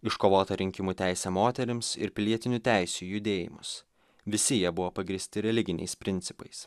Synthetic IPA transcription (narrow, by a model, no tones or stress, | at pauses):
ɪʃkoːʋoːt̪ɐɾʲɪŋʲkʲɪmuːt̪ʲæɪsʲɛmoːt̪ʲɛɾʲɪmsɪ̰ɾpʲɪlʲiɛt̪ʲɪnʲut̪ʲæˑɪsʲujʊd̪ʲeːjɪ̰mʊs | ʋʲɪsʲɪjiɛbʊʋoːpɐɡɾʲiːsʲt̪ʲɪɾʲɛlʲɪɡʲɪnʲɛ̰ɪspʲɾʲɪnʲt̪sʲɪpɐ̰ɪs